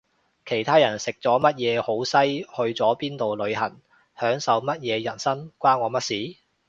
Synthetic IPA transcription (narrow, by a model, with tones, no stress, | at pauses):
kʰe˨˩jt̪ʰaː˥jɐ˨˩nsɪ˨k̚t͡sɔː˨˥mɐ˥t̚jɛː˨˧ho˨˥wsɐ˥jhɵ˧ɥt͡sɔː˨˥piː˥nt̪o˨wlɵ˨˧ɥhɐ˨˩ŋ | hœː˨˥ŋsɐ˨˧wmɐ˥t̚jɛː˨˧jɐ˨˩nsɐ˥nkʷaː˥nŋɔː˨˧˥mɐ˥t̚siː˨˥